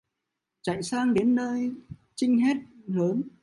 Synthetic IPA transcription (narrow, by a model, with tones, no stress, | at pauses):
t͡ɕa̰˧˨jsaː˧ŋɗe˨˦nːəː˧jt͡ɕï˧ŋ̟ɦɛ˦˥t̚ləː˨˦n